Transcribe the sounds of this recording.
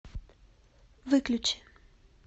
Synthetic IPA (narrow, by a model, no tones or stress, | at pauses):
vɨklʲʊt͡ɕɪ̥